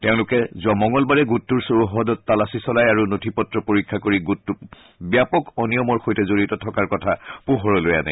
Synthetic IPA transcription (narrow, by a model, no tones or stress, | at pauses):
teʊ̃lʊkɛzɔmɔŋɔlbaɹɛɡutːuɹsoɹuɦɔdɔtːalasisɔlajaɹunotʰipɔtɹɔpoɹikʰːakoɹiɡutːu | bijapɔkɔnijɔmɔɹxojtɛzoɹitɔtʰɔkaɹkɔtʰapuɦɔɹɔloja̰nɛ̰